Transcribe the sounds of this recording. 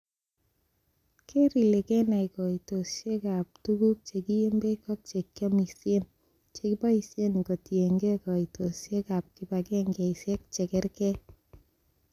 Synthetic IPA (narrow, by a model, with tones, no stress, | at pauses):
kʰe˦ɾi˨le˨kɛ˦na˨i˨kɔ˨i˨to˨sje˦ka˨p̚tu˦ɡu˦k̚t͡ʃe˨ki˦e˦mbe˦kɔ˦k̚t͡ʃe˨kjɔ˦mi˨sje˦n | t͡ʃe˨ki˦pa˦i˨sje˦nko˨tje˨ŋɡe˦kɔ˨i˨to˨sje˦ka˨p̚ki˦ba˨kɛ˦ŋɡɛ˨i˨sjɛ˦k̚t͡ʃɛ˨kɛ˦ɾkɛ˦